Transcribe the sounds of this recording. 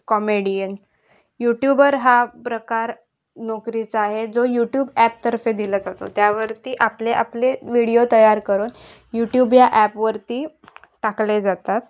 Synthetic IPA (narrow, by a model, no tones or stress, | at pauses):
kɔmeɽijən | juʈjubəɾɦapɾəkaɾ | nɔkɾit͡saaɦed͡zojuʈjuːbæp̚t̪əɾfed̪iləd͡zat̪o̰t̪jaʋəɾt̪iːʔapleʔapleʋiɽijot̪əjaɾkəɾuːn | juʈjubjaʔɛpʋəɾt̪iː | ʈakled͡zat̪at̪